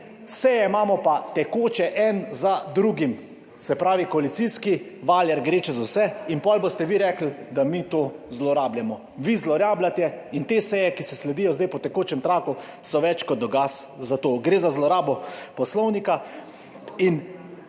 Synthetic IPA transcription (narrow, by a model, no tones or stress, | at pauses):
sɛjɛimaːmɔpat̪ɛkoːt͡ʃɛʔɛnzad̪ɾuɡim | sɛpɾaːʋikɔalit̪sijskiʋaːljɛɾɡɾeːt͡ʃɛzawsɛinpɔlbost̪ɛʋiɾɛkl̩d̪amit̪oːzlɔɾaːbljamɔ | ʋizlɔɾaːblat̪ɛint̪eːsɛjɛkisɛslɛd̪ijɔzd̪ajpɔt̪ɛkoːt͡ʃɛmt̪ɾaːku | sɔʋɛt͡ʃkɔd̪ɔɡaszat̪oːɡɾeːzazlɔɾaːbɔpɔslɔwnika | in